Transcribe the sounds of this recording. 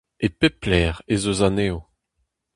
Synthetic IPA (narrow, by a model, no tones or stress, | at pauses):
epeplɛːʁezozaneːo